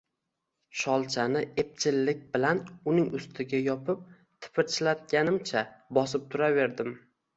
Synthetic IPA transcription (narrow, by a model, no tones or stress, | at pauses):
ʃɒlˠt͡ʃʰanɪep̚t͡ʃʰɪlːɪk̚ʲbɪlanʊnɪŋʊst̪ʰɪɡʲajɒpʰɪp̚ | t̪ʰɪ̥pʰɪɾt͡ʃʰɪlat̪̚ɡʲanɪmt͡ʃʰabɒsɪp̚t̪ʰʊɾave̞ɾd̪ɪm